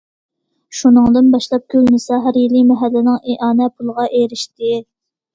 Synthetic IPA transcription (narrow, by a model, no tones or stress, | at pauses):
ʃunɨŋd̪ɨnbɑʃlˠɑp̚kʲʰølnɪsɑɦæɾjilːɪmɛɦælːɪnɪŋeʔɑːnɛpʰulˠʁɑʔeɾɪʃt̪ɪ